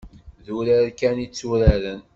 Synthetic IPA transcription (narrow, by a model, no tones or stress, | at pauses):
ðuɾaɾkænit͡sːuɾaɾən